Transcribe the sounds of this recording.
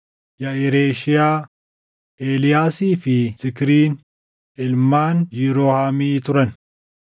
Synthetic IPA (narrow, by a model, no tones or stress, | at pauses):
jɐɪɾeːʃɪjaː | ʔeːlɪjaːsiːfɪsɪkɾiːn | ɪlmaːnjiɾoːhaːmiːt̪ʊɾɐn